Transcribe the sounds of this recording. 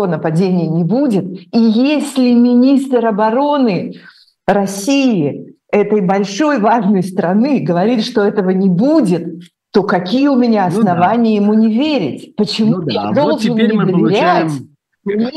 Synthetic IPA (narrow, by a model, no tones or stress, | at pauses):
ənəpɐdʲenʲɪjənʲɪbudʲɪt̪̚ijesʲlʲɪmʲɪnʲist̪rɾɐbɐɾo̞nɨ | ɾɐsʲijɪ | ɛt̪əjbɐlʲʂo̞jvaʐnəjst̪ɾɐnɨɡəvɐɾʲit̪ʂt̪o̞ɛt̪əvənʲɪbudʲɪt̪ː | o̞kɐkʲijəʊmʲɪnʲaɐsnɐvanʲɪjəjɪmunʲɪvʲeɾʲɪ̰tʲpət͡ɕɪmud̪o̞lˠʐɨnnʲɪd̪əvʲɪɾʲætʲ